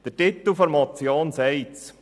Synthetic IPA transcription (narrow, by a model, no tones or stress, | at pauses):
d̥ətɪt̪əl̩fɔɾmɑt͡sjoːnsɛɪt͡s